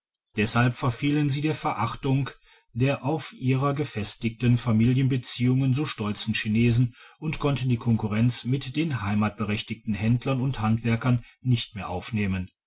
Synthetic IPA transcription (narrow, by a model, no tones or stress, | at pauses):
d̥ɛshalpfɛɐfiːlənziːdeːɐfɛɐʔaχtʊŋ | d̥eːɐʔaʊfʔiːʁɐɡəfɛstɪktənfamiːljənbət͡siːʊŋənzoːʃtɔlt͡sn̩ʃineːzn̩ʔʊntkʰɔntn̩diːkʰɔŋkuʁɛnt͡smɪtd̥eːnɦaɪmaːt̚b̥əʁɛçtɪk̚tn̩hɛndlɐnʊnthantv̥ɛɐkɐnːɪçtmeːɐʔa̰ʊfneːmən